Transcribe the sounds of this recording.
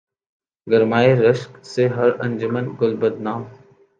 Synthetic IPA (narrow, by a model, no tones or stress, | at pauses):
ɡəɾmaːeɾəʃkseɦɐɾə̰̃nʲd͡ʒʊmənɡʊlbəd̪naːm